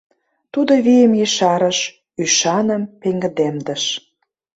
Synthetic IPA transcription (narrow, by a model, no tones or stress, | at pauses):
t̪ud̪oβijəmjəʃɑɾə̆ʃ | yʃɑnə̆mpeŋɡə̆d̪emd̪ə̆ʃ